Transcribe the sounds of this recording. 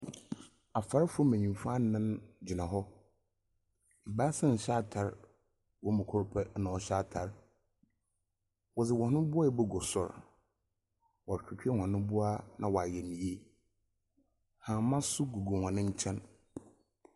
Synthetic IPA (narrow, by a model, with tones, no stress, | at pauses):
a˨fa˨ɾɪ˦fʊ˦ɔ˦mæ̃˨ɲĩ˨m˨fa˦nɪ̃˦nd͡ʑi˨nã˨ɦɔ˦ | m̩˨baː˦sɪ̃˦n̩˨ɕa˦tʰa˨ɾ | wɔ˦mʊ̃˨kʰʊ˦ɾpʰɛ˦nã˨ɔ˨ɕa˦tʰa˨ɾ | wɔ˨d͡zɪ˨wɔ̃˨nʊ̃˦bʊ˦a˦ɛ˨bɛ˦ɡɔ˨sʊ̰˦˨ɾ | wɔ˨kᶣi˨kʰᶣi˦ɛ˦hʷã˨nʊ̃˦bʊ˦a˦nʔã̰˨wɔ˨a˨jɛ˨nĩ˨je˦ | hã˨mã˦sʊ˦ɡu˨ɡo˨hã˨nɪ̃˦ɲ̩˦t͡ɕʰɛ̃˦n